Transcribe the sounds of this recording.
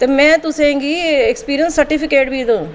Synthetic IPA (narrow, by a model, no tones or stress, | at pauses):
t̪eːmɛ̃ːt̪ʊsẽːɡiːekspiːɾijənsːəɾʈiːpɪkeːʈbiːd̪õː